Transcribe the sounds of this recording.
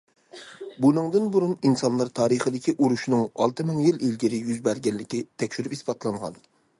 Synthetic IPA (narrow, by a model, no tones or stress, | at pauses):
bunɨŋd̪ɨnbuɾuninsɑnlˠɑɾt̪ʰɑːɾɨχəd̪ɪkʲʰiʔuɾuʃnɨŋɑ̰lˠt̪ʰɨmɨŋjililɡʲiɾɪjyzbæɾɡʲɛnlːɪkʲit̪ʰɛkʲʃyɾypispɑt̪lˠɑɴʁɑ̰n